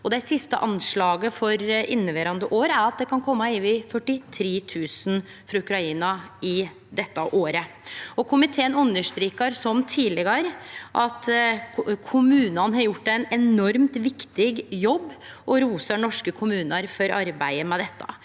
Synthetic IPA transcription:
ɔd̪ɛɪsɪst̪ə̰ʔɑnʂɭɑːɡəfɔɾʔɪnːəʋeːɾɑnd̪əʔoːɾæɾɑt̪̚d̪ɛkʰɑnkʰɔmːɑiːʋɪfœʈːɪt̪ʰɾeːt̪ʰʉːsn̩ | fɾɑʉkɾɑiːnɑɪ | d̪ɛt̪ːəʔoːɾə | ɔkʰʊmɪt̪ʰeːənʉnːəʂt̪ɾiːkəɾsɔmt̪ʰiːlɛɡəɾʔɑt̪ | kʰʊmʉːnɑnəɦɑɾjʊʈːæɪnɛnɔɾmt̪ʋɪkt̪ɪɡjɔbːʔɔɾuːsəɳɔʂkəkʰʊmʉːnəɾfɔɾʔɑɾbæɪəmɛd̪ɛt̪ːɑ̰

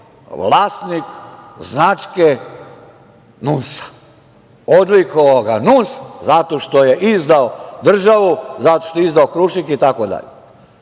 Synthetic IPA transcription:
ʋlaːst̪nikznat͡ʃke | nusḁ | od̪likooɡanuszat̪o̞ʃt̪oje̞ʔizd̪aod̪r̩ʒaʋuzat̪oʃt̪oizd̪aokɾuʃikit̪akod̪a̰ʎe

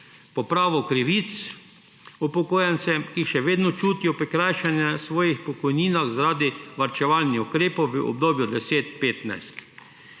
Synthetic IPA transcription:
pɔpɾaːʋɔkɾiʋit̪s | upɔkoːjansɛmkiʃɛʋeːd̪nɔt͡ʃuːt̪ijɔpɾɛkɾajʃɛnjɛsʋɔːjixpɔkɔjniːnaxzaɾaːd̪iʋaɾt͡ʃɛʋalnixukɾeːpɔwʋəʔɔ̰b̚d̪oːbjud̪ɛseːt̪peːt̪na̰jst̪

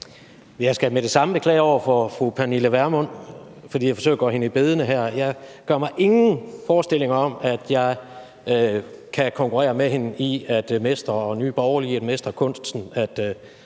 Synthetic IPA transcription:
ʋejɑ̈ɪsɡ̥æmed̥e̝sɑ̈məb̥ekʰlɛːɪɒʊ̰ɐfɒfʁupʰæniləʋæɐmɔ̽n̰ | fɒ̽d̥ḭːjɑfɒsø̰ɐɡ̥ɒːhe̝nəib̥e̝ð̞ˠənəɦæɐ̰jɑ̈ɪɡ̥ɶɐ̰mɑ̈ɪʔe̝ŋn̩fɒːsd̥e̝l̰e̝ŋɐɒ̽mæd̥jɑ̈ɪ | kʰækʰɒ̽ŋkʰuʁɛ̰ːɐmeɦe̝niæd̥mesd̥ɐɒ̽ny̰ːb̥ɒʊɐliæd̥mesd̥ʁɐkʰɔ̽n̰sd̥sn̩æd̥

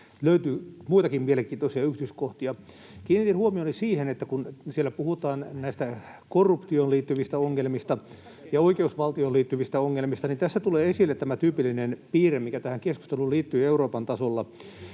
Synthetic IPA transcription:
løyt̪yːmuit̪ɑkimmieleŋkiːt̪osiɑyht̪yskoht̪iɑ | kiːnit̪inhuomioˑnisiːhenet̪ːækunsielːæpuhut̪ɑːnnæist̪ækorːupt̪ioːnliːt̪ːyʋist̪æoŋːelmist̪ɑ | jɑoikeusʋɑlt̪ioːliːt̪ːyʋist̪æoŋːelmist̪ɑnint̪æsːæt̪uleːesilːet̪t̪æmæt̪yːpilːinenpiːremikæt̪æhæŋkesku̥st̪eluliːt̪ːyːeuroːpɑnt̪ɑsolːɑ

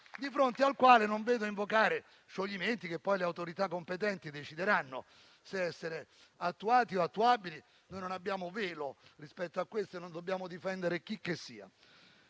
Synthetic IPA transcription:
d̪ifɾont̪ealkwaːlenoɱveːd̪oiɱvokaːɾe | ʃoʎːiment̪ik̟epːɔjleawt̪oɾit̪akːompet̪ɛnt̪id̪et͡ʃid̪eɾanːo̰ | seɛsːeɾe | at̪ːuaːt̪ioat̪ːuabili | nojnonabːjaːmoveːlorispɛt̪ːoakːwest̪oenond̪obːjaːmod̪ifɛnd̪eɾek̟ik̟ːesːiːa̰

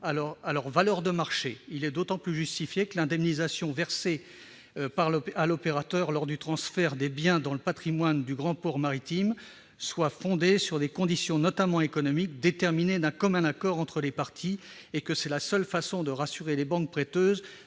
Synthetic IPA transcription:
alɔʁalɔʁvalœʁd̪əmaʁʃeilɛd̪ot̪ɑ̃plyʒyst̪ifjekəlɛ̃d̪ɛmnizasjɔ̃vɛʁse | paʁlalɔpeʁat̪œʁlɔʁd̪yt̪χɑ̃sfɛʁd̪ebjɛ̃d̪ɑ̃ləpat̪χimwand̪yɡʁɑ̃pɔʁmaʁit̪im | swafɔ̃d̪esyʁd̪ekɔ̃d̪isjɔ̃nɔt̪amɑ̃ekɔnɔmik̚d̪et̪ɛʁmined̪ɛ̃kɔmɛ̃nakɔʁɑ̃t̪χəlepaʁt̪ʰiekəsɛlasœlfasɔ̃d̪əʁasyʁelebɑ̃k̚pχet̪øːz

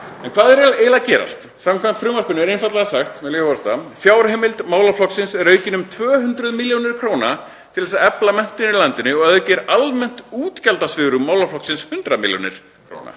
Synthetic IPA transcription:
ɛnkʰvaːðɛɾɛlɛːlacɛːɾa̰st̪ | samkʰvamn̥t̪fɾʏːmarkʏnʏɛɾejnfat̪laɣasaxt̪mɛðlœvast̪afjaːwɾheːmɪlt̪maːwlaflɔksɪnsɛɾœːɥcɪnʏmt̪ʰvœːɦʏnt̪ɾʏðmɪljownɪɾ̥kʰɾoːwna | t̪ʰɪlɛsaɛplamɛn̥t̪ɪnɪɾlant̪ɪnʏɔɣœðʏcɛɾalmɛn̥t̪uːt̪calt̪asvɪɣɾʏmːaːwlaflɔksɪnshʏnt̪ɾamɪ̰ljo̰wnɪ̰ɾ̥ | kʰɾo̰ːwna̰

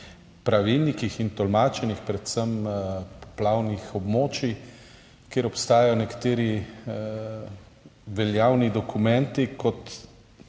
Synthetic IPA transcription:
pɾaʋilnikixint̪ɔlmaːt͡ʃɛnixpɾɛt̪səmpɔ̥plawnixɔbmoːt͡ʃi | keːɾɔpst̪aːjajɔnɛkḁt̪eːɾi | ʋɛljawnid̪ɔkumɛnt̪ikɔt̪

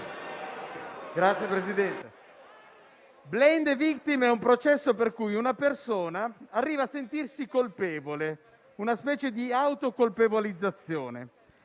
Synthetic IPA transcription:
ɡɾat̪sːjepɾezid̪ɛnt̪e | blɛnd̪evikt̪imɛumpɾot͡ʃɛsːoperkujunapersoːnaːrːiːvaːsːent̪irsikolpɛːvole | unaspɛːt͡ʃed̪iawt̪okolpevolid̪zːat̪sːjoːnḛ

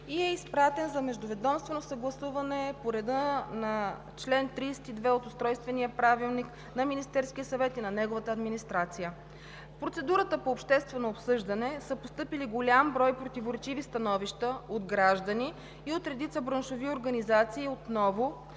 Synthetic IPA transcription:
iɛispɾat̪ɛnzɐmɛʒd̪ʊvɛd̪ɔmst̪vɛnosɐɡlˠɐsuvɐnɛpoɾɛd̪ənɐ | t͡ʃlɛnt̪ɾiːsɛ̥t̪id̪vɛot̪ʊst̪ɾɔjst̪vɛnijəpɾavilˠnik | nɐminist̪ɛɾskʲijəsɐvɛt̪inɐnɛɡovət̪əːd̪minist̪ɾat̪sijə | pɾot̪sɛd̪uɾət̪əpoːpʃt̪ɛst̪vɛnoːpsɤʒd̪ɐnɛsəpost̪ɤpiliɡolʲambɾɔjpɾot̪ivoɾɛt͡ʃivist̪ɐnɔviʃt̪əod̪ɡɾaʒd̪ɐniː | ot̪ɾɛd̪it̪səbɾənʃovioɾɡɐnizat̪siːot̪nɔvo

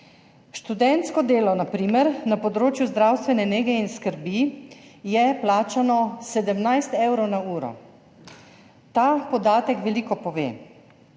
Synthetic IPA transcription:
ʃt̪ud̪ɛnt̪skɔd̪eːlɔnapɾiːmɛɾnapɔd̪ɾoːt͡ʃjuzd̪ɾawst̪ʋɛnɛneɡɛinskəɾbijɛplaːt͡ʃanɔsɛd̪əmnajst̪ɛwɾɔwnauːɾɔ̰ | t̪apɔd̪aːt̪ɛkʋɛliːkɔpɔʋeː

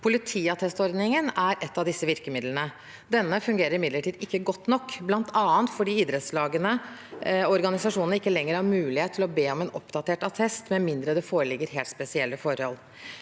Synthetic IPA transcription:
pʰʊlɪt̪ʰiːɑt̪ʰɛst̪ɔɾd̪nɪŋənæɾʔɛt̪ːɑd̪ɪsːəʋɪɾkəmɪd̪lənə | d̪ɛnːəfʉŋɡeːɾəɾɪmɪd̪ləʈʰiːd̪ɪkːəɡɔt̪ːnɔkːblɑnt̪ʰɑːənt̪fɔɖiːiːd̪ɾɛt̪slɑːɡənə | ɔɾɡɑnɪsɑʂuːnnəɪkːəlɛŋːəɾhɑɾmʉːlɪheːt̪ʰːɪlɔbeːɔmɛːnɔpd̪ɑt̪ʰeːʈɑt̪ʰɛst̪mɛmɪnd̪ɾəd̪ɛfoːɾəlɪɡːəɾɦeːlt̪spɛsɪɛlːəfɔɾhɔ̰l

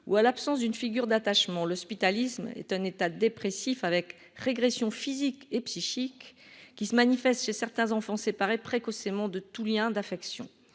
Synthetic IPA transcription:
ṵalapsɑ̃sd̪ynfiɡʲyʁd̪at̪aʃmɑ̃lɔspit̪alismɛ̰t̪ɛ̃net̪ad̪epχesifavɛk | ʁeɡʁesjɔ̃fizikepsiʃikːisəmanifɛst̪ʃesɛʁt̪ɛ̃zɑ̃fɑ̃sepaʁepχekɔsemɑ̃d̪ət̪uljɛ̃d̪afɛksjɔ̰̃

